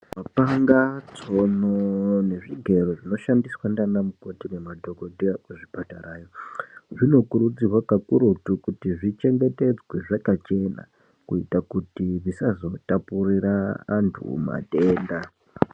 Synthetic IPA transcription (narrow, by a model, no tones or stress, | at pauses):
mapaŋɡat͡so̞none̞ʐiɡʱe̞ɾoʐino̞ʃandiswandanamukotine̞madʱo̞ko̞dʱiakuʐipataraːjo̞ʐino̞kuɾud͡zirwakakuɾutukutiʐit͡ʃe̞ŋɡe̞te̞d͡zweʐakat͡ʃe̞na̰ | kuitakutiʐisazo̞tapuriɾaːntʰṵma̰te̞ːnda